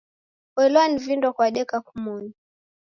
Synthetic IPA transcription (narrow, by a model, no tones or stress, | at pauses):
wɛlɔanivindwakwaɗɛkakumuni